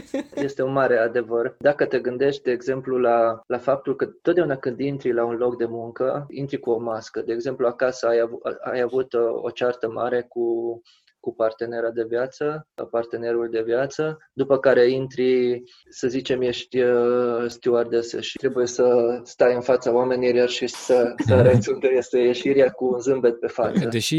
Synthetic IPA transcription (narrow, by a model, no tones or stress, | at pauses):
je̞st̪e̞unmaɾe̞ad̪e̞vərd̪akət̪e̞ɡɨnd̪e̞ʃt̪̚ʲd̪e̞ːɡze̞mplulalafap̚t̪ulkət̪ot̪d̪eaunakɨnd̪int̪ɾilaunlo̞kd̪e̞muŋkəint̪ɾikuo̞maskəd̪e̞ːɡze̞mpluakasəajaa̰javut̪o̞̰t͡ʃart̪əma̰ɾe̞ku | kupart̪e̞ne̞ɾad̪e̞vjat̪səa̰part̪e̞ne̞ɾuld̪e̞vjat̪sə | d̪upəkaɾe̞int̪ɾi | səzit͡ʃe̞mjeʃt̪ʲəst̪iard̪esḛʃi̥t̪ɾe̞buje̞səst̪ajɨnfat̪saoame̞niɾjarʃisəsəɾesunk̪əjest̪ejeʃiɾiakuːnzɨmbe̞t̪̚pe̞fat̪səd̪eʃi